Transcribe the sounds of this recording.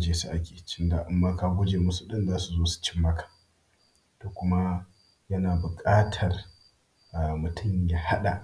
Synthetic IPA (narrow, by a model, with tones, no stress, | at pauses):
d͡ʒeː˦su˨ʔa˦kʲeː˨t͡ʃɪ˦nda˨ʔɪ˦mːa˦ka˦ɡʷʊ˦d͡ʒeː˨mʊ˦su˨ɗɪ˦nzaː˦su˨zoː˦su̥˨t͡ʃɪ˦mːɐ˦kʰḁ˨ | toː˨kʷʊ˦ma˦ | jɐ˦naː˨bʊ˨kʼaː˦tʰɐ˨r | ʔa˨mʊ˨tʰʊ˦˨mja˦ha˦ɗa̰˨ʔ